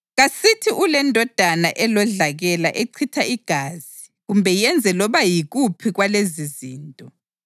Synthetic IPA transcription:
ɣasitʰiʔulɛndʱɔd̥ʱanaʔɛlɔɮaɣɛlaʔeǀʰitʰaiɡ̥ʱaːz̥i | ɣumbʱɛjɛnd͡zʱɛlɔβajiɣupʰiɣwaleziziːntʼɔ

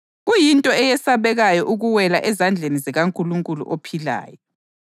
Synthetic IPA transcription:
ɣujintʼɔɛjɛsaβɛɣajɔʔuɣuwɛlaʔɛzand͡ɮʱenizɛɣaŋkʼuluŋkʼulṵʔopʰila̰ːjɔ

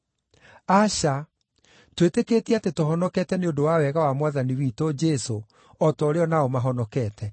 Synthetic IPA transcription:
aɕa | twetekeːtiɛatetoɦɔnɔkɛtɛneodowawɛɣawamwaðaniwiːtod͡ʒɛso | ɔtɔɾeɔnaomaɦɔnɔkɛːtʰɛ

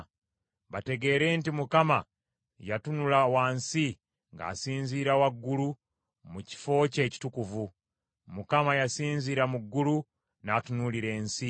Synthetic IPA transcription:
βate̞ɡe̞ːɾe̞ːntimukama | jatunulawansi | ŋɡa̰ːsiːnziːɾawaɡːulu | muci̥fo̞ːce̞ːci̥tukuvu | mukamajasiːnziɾamuɡːulu | naːtunuliɾe̞ːnsi

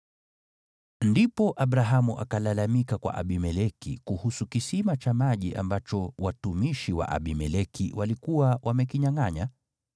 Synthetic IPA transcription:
ndipɔʔaɓɾaɦamuʔa̰kalalamikakwa̰ʔa̰ɓimɛlɛkḭkuhusukisimat͡ʃamaʄiʔa̰mbat͡ʃɔwatumiʃiwa̰ʔa̰ɓimɛlɛkiwʔalikuwawʔamɛkiɲaŋaɲa

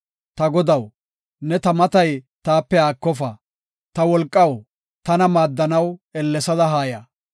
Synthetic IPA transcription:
t̪ɐɡɔd̪ɐw | nɛt̪ɐmɐt̪ɐjt̪aːpːɛaːkːɔfɐ | t̪ɐwɔlkʼːɐw | t̪ɐnɐmaːd̪ːɐnɐwɛlːɛsɐd̪ɐɦaːjɐː

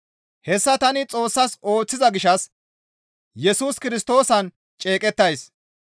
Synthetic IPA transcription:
hɛsːɐt̪ɐnɪt͡sʼo̞ːsːɐso̞ːt͡sːɪzɐɡɪʃɐs | jɛsuːskɪɾɪst̪o̞ːsɐn | t͡ʃʼeːkʼɛt̪ːɐjs

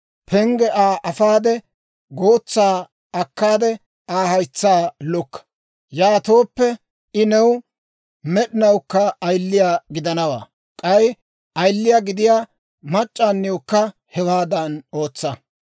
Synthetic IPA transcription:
pʰɛŋɡɛʔaːʔɐfaːd̪ɛ | ɡoːt͡sːaː | ɐkːaːd̪ɛ | aːhɐjt͡sːaːlɔkːɐ̥ | jaːt̪o̞ːpːɛ | ɪnɛw | mɛɗɪnɐwkːɐːjlːɪjaːɡɪd̪ɐnɐwa̰ː | kʼɐj | ʔɐjlːɪjaːɡɪd̪ɪjaː | mɐt͡ʃʼːaːnːɪwɔkːɐ | hɛwaːd̪ɐno̞ːt͡sːɐ

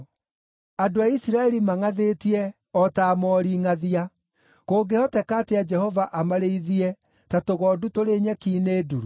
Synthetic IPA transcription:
adoaisiɾaɛɾimaŋaðetiɛ | ɔtaːmɔɾiːŋaðia | koːɡehɔtɛkatead͡ʒɛhɔvaʔamaɾeiðiɛ | tatoɣɔdutoɾeɲɛkiːneːduɾu

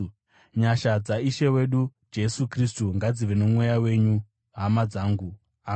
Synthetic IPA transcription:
ɲaʃad͡zaiʃe̞we̞ɗud͡ʒe̞sukristuŋɡad͡ziʋenomwe̞jawe̞ɲu | ɦamad͡zaːŋɡu | a

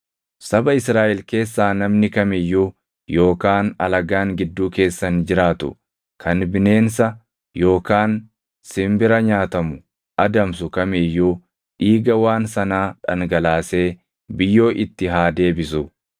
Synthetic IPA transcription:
sɐbɐɪsɾaːʔɛlke̞ːsːaːnɐmnɪkɐmɛjːu | jo̞ːkaːnɐ̰lɐɡaːŋɡɪd̪ːuːke̞ːsːɐnd͡ʒɪɾaːt̪ʊ̰ | kʰɐnbɪne̞ːnsɐ | jo̞ːkaːn | sɪmbɪɾɐɲaːt̪ɐmʊ | ʔɐd̪ɐmsʊkɐmɛjːuː | ᶑiːɡɐwaːnsɐnaːᶑɐŋɡɐlaːse̞ː | bɪjːo̞ːʔɪt̪ːɪɦaːd̪e̞ːbɪsʊ

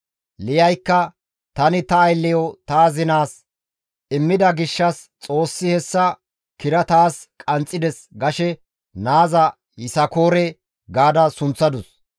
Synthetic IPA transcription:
lɪjɐjkːɐ | t̪ɐnɪt̪ɐːjlːɛjɔt̪aːzɪnaːs | ʔɪmːɪd̪ɐɡɪʃːɐs | t͡sʼo̞ːsːɪhɛsːɐ | kɪɾɐt̪aːskʼɐnt͡sʼːɪd̪ɛsɡɐʃɛ | naːzɐ | jɪsɐko̞ːɾɛ | ɡaːd̪ɐsʊnt͡sːɐd̪ʊs

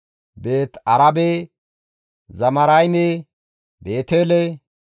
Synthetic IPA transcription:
be̞ːt̪ɐɾɐbeː | zɐmɐɾɐjme | be̞ːt̪eːle

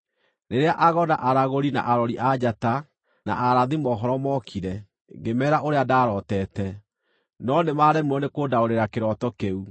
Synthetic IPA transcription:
neɾeaʔaɣɔnaʔaɾaɣoɾina̰ʔaɾɔɾiʔad͡ʑata | na̰ʔaɾaðimɔːɦɔɾɔmɔkʰiɾɛ | ŋɡemɛɾaʔoɾeadaːɾɔtɛːtɛ | nɔnemaɾɛmwɔnekoːdaoɾeɾakeɾɔtɔkeu

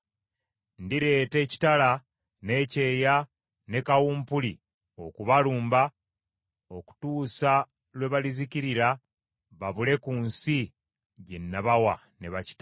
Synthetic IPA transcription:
ndiɾe̞ːte̞ːci̥tala | ne̞ːce̞ːja | ne̞kawuːmpuli | o̞kuβaluːmba | o̞ku̥tuːsa | lwe̞βaliziciɾiɾa | βaβule̞kuːnsi | ɟe̞nːaβawa | ne̞βaci̥ta

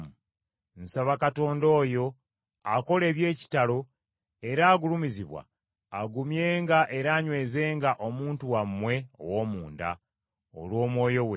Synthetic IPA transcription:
mu | n̩saβakato̞ːndo̞ːjo̞ | ako̞le̞ːβje̞ːci̥talo̞ | e̞ɾaːɡulumiziβwa̰ː | ɡumje̞ːŋɡaʔe̞ɾaːɲwe̞ːze̞ːŋɡaʔo̞muːntuwamːwe̞o̰woːmuːnda̰ | o̰lwoːmwo̞ːjo̞we

